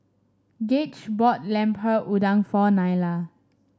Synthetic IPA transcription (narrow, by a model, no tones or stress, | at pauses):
ɡet͡ʃbɔt̚lɛ̃mpʰəʔudãŋfɔnajla